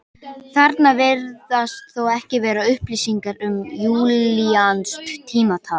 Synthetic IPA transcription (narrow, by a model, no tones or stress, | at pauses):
kθaɾt̪navɪɾðast̪θowɛhcɪvɛːɾaʏhpliːsiŋkaɾʏmjuːlianskt̪ʰiːmat̪ʰaːl